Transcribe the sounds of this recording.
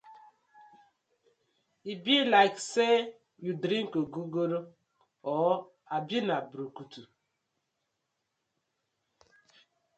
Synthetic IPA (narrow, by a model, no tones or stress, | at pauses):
ibilaɪkse | judɾĩŋ̩koɡuɡoɾo | ɔ | abinabɾokutu